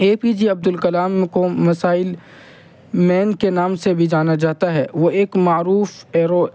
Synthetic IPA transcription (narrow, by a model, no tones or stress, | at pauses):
eːpiːd͡ʒiɐb̚d̪ʊlkɐlaːmkomɐsaːɪl | mɛːnkenaːmsebʱid͡ʒaːnad͡ʒaːt̪aɦɛːʋoeːkmaːɾuːfɛːɾo